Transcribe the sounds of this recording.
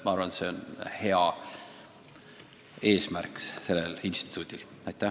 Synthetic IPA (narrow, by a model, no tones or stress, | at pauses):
mɑɑɾvɑnt̪se̞o̞nhe̞ɑ | e̞ːsmærksse̞lːelinst̪i̥t̪ːˑud̪̥il | ɑjt̪ːˑæ